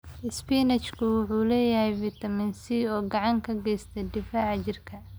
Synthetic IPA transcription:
ʔɪspiːnɛt͡ʃkʰʊwʊħuːlɛːjɐhɛjvɪt̪ʰɐmɪnsiɔːɡɑʕɑŋkʰɐɡɛjst̪ʰɛd̪ɪfaːʕt͡ʃɪrkʰɐ

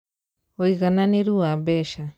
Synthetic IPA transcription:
ojɣananiɾuabeʃa

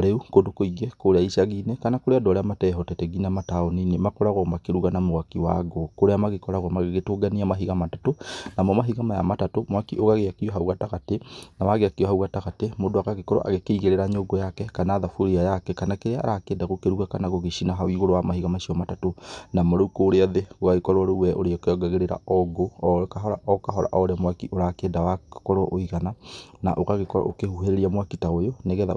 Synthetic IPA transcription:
ɾeukondokoiɡɛkoɾeaiʃaɣinɛkanakoɾeadɔɾɛamatɛɦɔtɛtɛɣinamataɔninemakɔɾaɣɔmakeɾuɣanamoɣakiwaɡokoɾeamaɣekɔɾaɣɔmaɣeɣetoɡaniamaɦiɣamatatonamɔmaɦiɣamaja̰matatomakioɣaɣeakiɔɦauɣataɣatenawaɣeakiɔhauɣataɣatemodoaɣaɣekɔɾɔ̰ʔa̰ɣekeiɣeɾeɾaɲoɡɔjakɛkanaːðafoɾiajakɛkanakeɾea̰ɾakedaɣokeɾuɣakanaɣoɣeʃinaɦawiɣoɾowamahiɣamaʃiɔmatatonamoɾokoːɾeɔðeɣoaɣekɔɾwaɾowɛʔoɾeɔkeɔɡaɣeɾeɾa̰ɔɡoɔkaɦɔɾa̰ʔɔkaɦɔɾa̰ʔɔɾeamwakiʔoɾakɛdawakɔɾɔʔoiɣanana̰ʔoɣaɣekɔɾɔ̰ʔo̰kehuɦeɾeɾiamwakitaojoneɣɛða̰

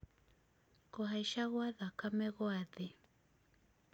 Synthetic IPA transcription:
koɦajʃaɣwaðakamɛɣwaðɪ

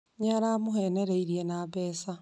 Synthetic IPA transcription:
ɲaɾamuheneɾeiɾjenaβɛːsa

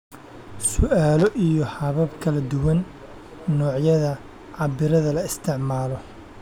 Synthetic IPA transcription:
sʊʔaːlɔʔijɔhɐβɐbkʰɐlɐd̪ʊwɐnː | ɔːʕjɐðɐ | ʕɑbɪɾɐðɐlɐɪst̪ʰɪʕmaːlɔ

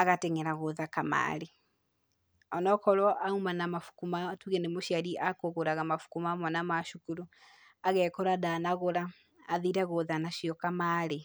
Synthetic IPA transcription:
aɣateŋɛɾaɣoðakama̰ɾe | ɔnɔkɔɾɔʔaumanamafu̥kumatuɣenemoʃiaɾiʔakoɣoɾaɣamafu̥kumamwanamaʃukuɾu | aɣɛːkɔɾadanaɣoɾaː | ðiɾaɣoðanaʃiɔkamaɾe

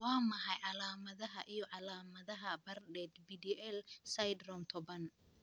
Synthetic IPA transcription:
wɑːmɐħɑjʕɑlaːmɐðɐɦɐʔijɞʕɑlaːmɐðɐɦɐbɐrɖɛːd̪bid̪iʔɛlsɐjd̪rɔmt̪ʰɔβɐn

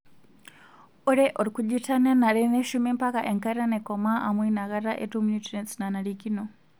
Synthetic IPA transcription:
uɾɛʔɔɾikud͡ʒitananaɾɛnɛʃumimpakaʔɛŋkaɾiɾanɛkɔmaʔa̰mwinaɣaɾaʔetumuɲitiɾɛnsinanaɾikinɔ

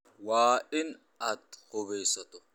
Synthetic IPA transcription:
waːʔɪn | ɐt̪hɔbɛjsɐt̪ɔ

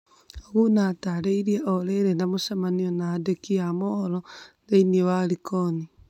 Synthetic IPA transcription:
oɣunataɾeiɾieʔɔɾeɾendamosamaniɔnaːdekiamolɔ | deiniewaɾikɔni

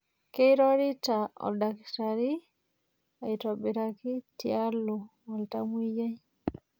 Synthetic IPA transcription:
keɾoɾitaɔ̰ldaktaɾi | ajtɔbiɾakitialːɔwaltamujd͡ʒaj

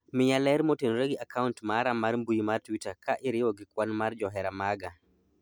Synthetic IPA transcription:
mɪɲalɛɾmɔtenɾeɡiakʰauntmaɾamaɾmbujimartwitakʰaʔɪɾɪwɔɡɪkwanmaɾd͡ʒɔɦɛɾamaɡa

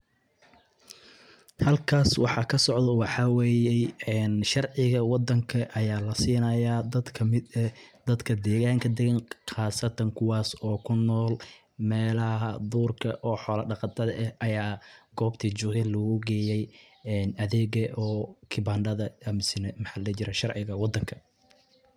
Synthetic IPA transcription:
hɐlkʰaːswɑħɑkʰɐsɔʕd̪ɔwɑħɑwɛːjɛjɛːnʃɑrʕɪɣɐwɑd̪ːɐŋkʰɐʔɐjaːlɐsiːnɐjad̪ɐd̪kʰɐmɪd̪ɛd̪̥ɐd̪kʰɐd̪ɛːɣaːŋkʰɐd̪ɛɣɛnqɑːsɐt̪ʰɐŋkʰʊwɑːsɔːkʰʊnːɔːl | mɛːlɐɦɐd̪uːrkʰɐʔɔːħɔːlɐɖɑqɑt̪ʰɐðɐʔɛhʔɐjaːɡɔːbt̪ʰiːd͡ʒʊːɣɛlɐɣʊɡɛːjɛjː | nɐðɛːɣɐʔɔːkʰɪbaːɳɖɐðɐɐmɪsɪnɛmħɑlɐt͡ʃɪɾɐʃɑrʕɪɣɐwɑd̪ːɐŋkʰɐ̥

